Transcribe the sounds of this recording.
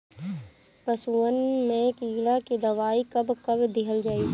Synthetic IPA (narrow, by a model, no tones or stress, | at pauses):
pɐsuːənmẽkiːɽakid̪ɐʋaːikɐbkɐbd̪ɪɦʰəld͡ʒaːi